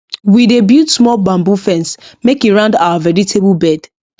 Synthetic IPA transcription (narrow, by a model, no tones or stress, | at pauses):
widebjutsmɔlbãmbufɛ̃nsmekiɹãndawavɛɹitʰeblbɛd̥